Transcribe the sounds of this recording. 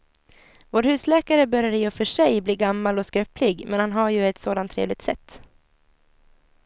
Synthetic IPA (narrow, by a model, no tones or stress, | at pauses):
voːɾhʉ̟ːslɛːkaɾəbœɾjaɾɪjɔfœʂɛjbliːɡamːalɔskɾœplɪɡmɛnhanɦaɾjɵɛt̪soːd̪ant̪ʰːɾḛːvlɪk̚t̪sɛ̰t̪ː